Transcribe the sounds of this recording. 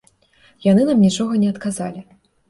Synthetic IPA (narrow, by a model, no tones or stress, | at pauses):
janɨnamnʲit͡ʂɔɣɐnʲɛɐt̪kaza̰lʲi